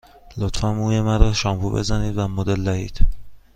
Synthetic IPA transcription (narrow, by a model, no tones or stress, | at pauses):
lot̪fæmuːjemæɾɒːʃɒmpṵbḛzæniːd̪væmod̪elːæhḭːd̪̥